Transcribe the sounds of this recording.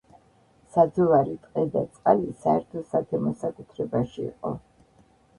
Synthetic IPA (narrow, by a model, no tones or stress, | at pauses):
sad̪zɔvaɾit̪ʼqʼɛd̪at̪sʼqʼalisaɛɾt̪ʰɔsat̪ʰɛmɔsakʼut̪ʰɾɛbaʃḭːqʼɔ̰